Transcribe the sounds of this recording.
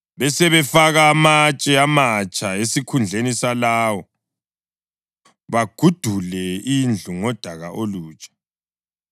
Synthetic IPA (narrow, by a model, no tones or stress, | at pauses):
βɛsɛβɛfaɣaːmat͡ʃʼɛamat͡ʃʼʰaesikʰund͡ɮʱenisalaːwɔ | βaɡ̥ʱud̥ʱulɛind͡ɮʱuŋɔd̥ʱaɣaʔoluːt͡ʃʼḁ